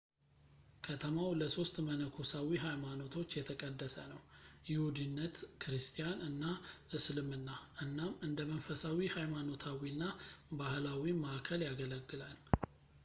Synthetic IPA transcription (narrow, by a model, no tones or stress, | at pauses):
kʰət̪ʰəmawləso̞st̪mənəkʰosawiɦajmano̞t̪ʰo̞t͡ʃːjɛt̪ʰəkʼəd̪ːəsə̰nəwjɪhud̪ɨnːət̪kʰɨɾɨst̪ʰʼijanɨnːaʔɨslɨmɨnːaʔɨnːamɨnd̪əmənfəsawihajmano̞t̪ʰawinːabahlawimaʔakʰəljaɡələɡːɨlal